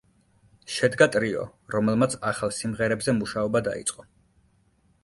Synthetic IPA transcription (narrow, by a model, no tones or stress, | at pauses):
ʃɛd̪ɡat̪ʼɾiɔ̰ɾɔmɛlˠmat̪sʰaχalˠsimʁɛɾɛbzɛmuʃaɔbad̪a̰ḭt̪sʼqʼɔ